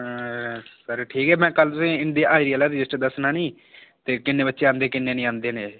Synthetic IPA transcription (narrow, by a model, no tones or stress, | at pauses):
səɾʈʰiːkɦɛːmɛ̃ːkəlt̪ʊsĩːɪnd̪iʔaːɪɾiːəːlaːɾɪd͡ʒɪsʈd̪əsnãːnĩː | t̪eːkɪnːeːbətːʃeːãːnd̪eːkɪnːẽːnĩːãːnd̪eːneː